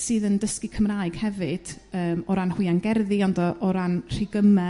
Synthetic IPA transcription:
sɨːðəndəskɨkʰəmraːɨɡ̥hɛvɨd̥əːmɔɾanhʊɨanɡɛrðiɔndɔʔɔɾanr̥iɡəmɛ

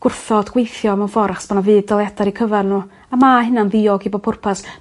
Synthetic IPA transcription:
ɡ̥ʊrθɔdɡ̥wejθjɔmɛfɔɾaχsb̥anavɨːdɔlˠjɛdaɾikʰəvarnu | amahɪnanðiɔɡibɔpʰʊrpʰas

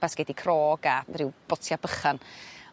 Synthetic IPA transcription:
asɡ̥ɛdikʰrɔːɡarɪwb̥ɔtʰjabəχan

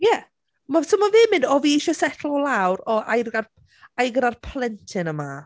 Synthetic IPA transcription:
jɛ | masʰɔmavɨːmɪndɔviːʃɔsɛtʰl̩ˠɔlawɾɔajrɡar | ajɡəɾarpʰlˠɛntʰɪnəma

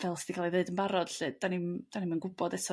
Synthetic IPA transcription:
vɛlˠsɪ̥d̥ikʰalˠiðeɨdənbaɾɔd̥ɬɨd̚d̥animd̥animanɡʊbɔdɛsɔ

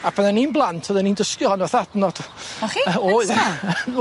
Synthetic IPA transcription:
apʰɛðaninblˠantʰɔðɛniːndəskjɔhɔnwaθadnɔd̥ɔχioða

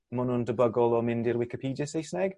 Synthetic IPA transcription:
mʊnundəbəɡɔlˠɔmɪndɪrwɪkɪpʰiːdjəsejsnɛɡ̥

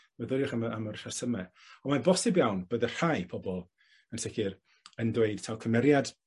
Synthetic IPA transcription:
mɛðʊɾjʊχamamərrasəmɛ | ɔmabɔsɪbjawnbəːðər̥ajpʰɔbɔlˠ | ənsɪɡɪr | əndweɨd̥tʰawkʰəmɛɾjad̥

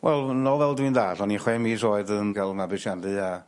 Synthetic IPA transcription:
wʔɛlˠnɔvɛlˠdwindaːdɔniχwɛmisoːɨðənɡ̥alˠmabɨʃjandɨa

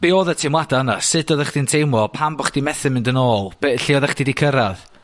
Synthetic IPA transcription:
b̥eoːðətʰɪmwadaənasɨdɔðəχd̥intʰejmɔpʰambɔχd̥imɛθɨmɪndənoːlˠb̥eɬiɔðəχd̥idikʰəɾað

